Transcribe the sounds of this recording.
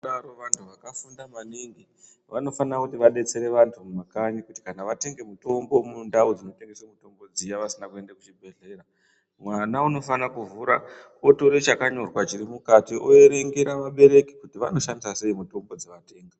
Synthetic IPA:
ɗaɾoʋantʰuʋakafundamaniŋɡi | ʋano̞fanrakutiʋaɗe̞t͡se̞ɾe̞ʋantʰumumakaɲikuti̥kanaʋate̞ŋɡe̞muto̞mbo̞mundaod͡zino̞te̞ŋɡeswemuto̞mbo̞d͡zijaʋasinakue̞ndakut͡ʃibʱe̞ɮe̞ɾa | mwanauno̞fanakuvuːɾa | otoɾet͡ʃakaɲo̞rwat͡ʃiɾimukatiʔoe̞ɾe̞ŋɡeɾaʋaɓe̞ɾe̞ki̥kutiʋa̰no̞ʃandisase̞imuto̞mbod͡zeʋate̞ːŋɡa

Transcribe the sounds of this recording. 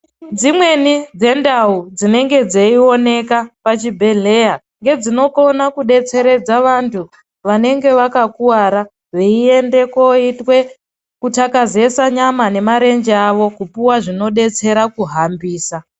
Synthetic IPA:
d͡zimwe̞nid͡ze̞ndaud͡zine̞ŋɡe̞d͡zeio̞ne̞kapat͡ʃibʱe̞ɮe̞ja | ŋɡe̞d͡zino̞ko̞nakuɗe̞t͡se̞ɾe̞d͡zaʋantʰu | ʋane̞ŋɡe̞ʋakakuwaːɾa | ʋeie̞nde̞ko̞itwe̞ | kutakaze̞saɲamane̞maɾe̞ɲd͡ʒeaʋo̞kupuwaʐino̞ɗe̞t͡se̞ɾakuɦambiːsa

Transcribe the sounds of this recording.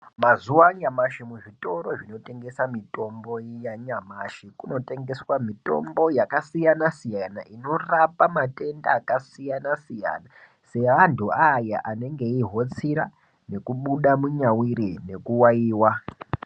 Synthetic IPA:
mazuwaɲamaʃimuʐito̞ɾo̞ʐino̞te̞ŋɡe̞samito̞mbo̞jaɲamaʃikuno̞te̞ŋɡe̞swamito̞̰mbo̞jakasijanasijanaʔino̞rapamate̞nda̰ːkasijanasija̰na | se̞ʋantuajaʔane̞ŋɡe̞iɦo̞t͡siɾa | ne̞kuɓuɗamuɲawiɾine̞kuwaiːwa

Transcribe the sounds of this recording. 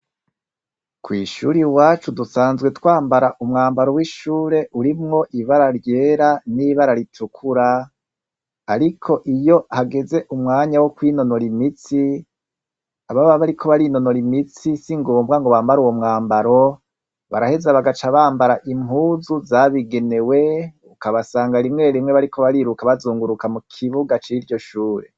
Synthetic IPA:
kwiːʃṵːɾiwaːt͡ʃudusaːnzɡwe̞twaːmbaɾaʔumŋaːmbaɾowiʃuːɾe̞ʔuɾimŋo̞ʔiβaɾaɾɟe̞ːɾaniβaɾaɾitʰukʰuɾa | ɾikʰo̞ʔijo̞haɡe̞ze̞ʔumŋaːɲawokwiːno̞no̞ɾimit͡si | aβaβaβaɾikʰo̞βaɾino̞no̞ɾimit͡sisiŋɡoːmbɡaŋɡo̞βaːmbaɾuwo̞mŋaːmbaɾo̞ | βa̰ɾahe̞zaβaɡat͡ʃaβaːmbaɾaʔimhuːzuzaβiɡe̞ne̞we̞ | ukaβasaːŋɡaɾimŋe̞ːɾimŋeβaɾikʰoβaɾiːɾukaβazuːŋɡuɾukamukʰiβuɡat͡ʃiɾɟo̞ʃuːɾḛ

